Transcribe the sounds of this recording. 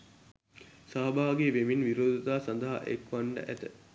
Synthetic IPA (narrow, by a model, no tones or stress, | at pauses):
saɦɐbaːɡeʋeminʋiɾoːd̪ɐt̪aːsɐnd̪əɦa̰ʔekʋaɳɖə̰ʔæt̪ə